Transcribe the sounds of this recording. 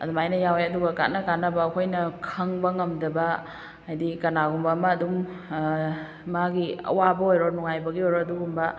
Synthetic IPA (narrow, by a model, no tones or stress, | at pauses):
ɐ̰dumajnɐjaweɐduɡɐka̰t̚nɐkanːɐbɐːkʰojnɐkʰɐŋbɐŋɐmdɐbɐː | jdikɐnaɡumbɐːmaːdum | aɡiɐ̰wabɐojɾonuŋajbɐɡiojɾoɐduɡumbɐ